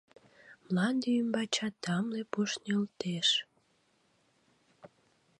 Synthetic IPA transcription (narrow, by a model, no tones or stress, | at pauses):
mlɑnd̪eymbɑt͡ɕɑt̪ːɑmlepuʃnʲelt̪eʃ